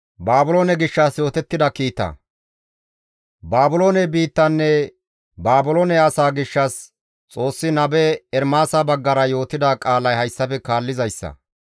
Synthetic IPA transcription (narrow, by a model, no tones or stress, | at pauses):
baːbʊloːnɛɡɪʃːasjo̞ːt̪ɛt̪ːɪd̪ɐkiːt̪ːɐ̰ | baːbʊlo̞ːnɛbiːt̪ːɐnːɛ | baːbʊloːnɛɐsaːɡɪʃːɐs | t͡sʼo̞ːsːɪnɐbɛɛɾmaːsabɐɡːɐɾɐjo̞ːt̪ɪd̪aːkʼaːlɐjhɐjsːɐfɛkaːlːɪzɐjsːɐ̰